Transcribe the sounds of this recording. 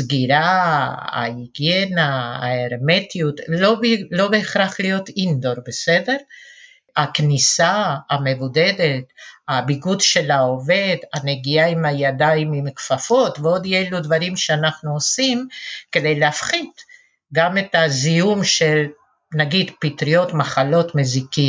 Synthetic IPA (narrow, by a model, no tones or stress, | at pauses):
sɡiɾa | a̰iɡjena̰ːeʁme̞t̪ijut̪loblo̞beːχɾaχlijo̞t̪ind̪o̞ɾbe̞se̞de̞ʁ | aknisaame̞vude̞d̪e̞tabiɡudʃe̞laove̞d̪aneɡiaimajadaimimkfafo̞t̪veo̞d̪jelud̪vaɾimʃeanaχnuosimke̞d̪e̞jleafχid | ɡame̞t̪azijumʃe̞l | naɡid̪pit̪ɾio̞t̪maχalo̞tmeziki